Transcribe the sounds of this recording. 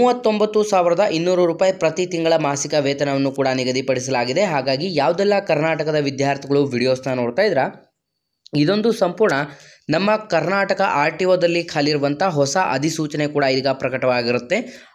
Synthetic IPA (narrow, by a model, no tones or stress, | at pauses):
muːʋɐt̪ːo̞mbɐt̪ːusaːʋiɾɐd̪ɐʔinːuːɾuɾuːpaːjipɾɐt̪it̪iŋɡɐɭɐmaːsikɐʋɛːt̪ɐnɐʋɐnːukuːɽɐniɡɐd̪ipɐɽisɐlaːɡid̪e̞ɦaːɡaːɡijaːʋud̪ɛlːɐkɐɾnaːʈɐkɐd̪ɐʋid̪jaːɾt̪ʰiɡɐɭuʋiɽijoːsnɐnoːɽt̪aːjid̪ɾɐ | id̪o̞nd̪usɐmpuːɾɳɐ | nɐmːɐkɐɾnaːʈɐkɐʔaːɾʈiʋoːd̪ɐlːikʰaːliɾuʋɐnt̪ʰɐɦɔsɐʔɐ̰d̪isuːt͡ʃɐne̞kuːɽɐilːɡɐpɾɐkɐʈɐʋaːɡiɾut̪ːe̞